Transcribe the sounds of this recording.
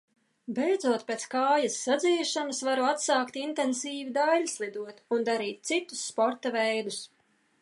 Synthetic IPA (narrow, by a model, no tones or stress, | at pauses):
bejd̪zuɔt̪̚pʲeːt̪skaːjɐsːad̪ziːʃanasvaɾuat̪saːkt̪int̪ɛnsiːvid̪alʲslˠid̪uɔt̪und̪aɾiːt̪̚t̪sit̪u̥sːpɔɾt̪avɛjd̪us